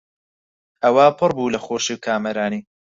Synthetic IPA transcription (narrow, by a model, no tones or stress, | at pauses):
ɐwapʰɨɾbuːlɐxoːʃiwkʰaːmɐɾaːniː